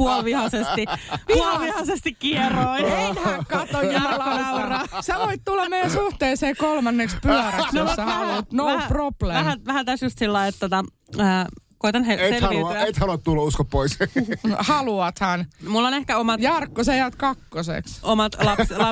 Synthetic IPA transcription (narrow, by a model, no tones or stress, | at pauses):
puolʋihɑsest̪ipuolʋihɑsest̪ikkieroinenhækɑt̪ojɑlolɑurɑsɑʋoit̪t̪ulːɑmeijænsuht̪eːseːkolmɑnːekspyœɾæsnossɑhɑlt̪noprob̥leʋæhæʋæhæt̪æsjust̪silːɑiet̪t̪ot̪ɑ | əːkoit̪ɑnseeseɑʋiøjeit̪hɑluɑt̪t̪ulːɑuskoppois | hɑluɑt̪hɑnmulːonehkæomɑtjɑrkːosɑjæːt̪kɑkːosḛksomɑt̪lɑpslɑ